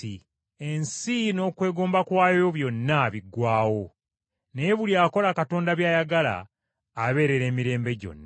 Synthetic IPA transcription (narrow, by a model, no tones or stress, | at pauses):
i | e̞nsino̞ːkwe̞ːɡo̞ːmbakwaːjoβjo̞nːaβiɡwaːwo̞ | nejeβuliaːko̞lakato̞ːndaβjaːjaɡala̰ː | βe̞ːɾe̞ɾe̞ːmiɾe̞ːmbe̞ɟo̞̰nːa